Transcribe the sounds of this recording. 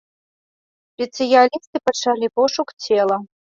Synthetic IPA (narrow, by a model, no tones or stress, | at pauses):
spʲet̪sɨjalʲist̪ɨpɐt͡ʂalʲipɔʂukt͡sʰʲɛlˠɐ